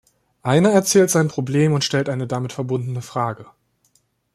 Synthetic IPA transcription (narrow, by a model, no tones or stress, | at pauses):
ʔaɪnɐɛɐt͡sɛːltz̥aɪnpʁ̥obleːmʊntʃtɛltʔaɪnədamɪtfɛɐbʊndn̩əfʁ̥aːɡə